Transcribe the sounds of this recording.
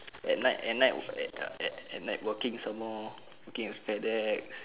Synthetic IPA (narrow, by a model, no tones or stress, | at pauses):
ɛ̰t̚naɪʔɛt̚najʔɛ̰ɛɛ̰t̚naɪt̚wəkĩŋsamɔ | wəkĩŋwispɛdɛk̚s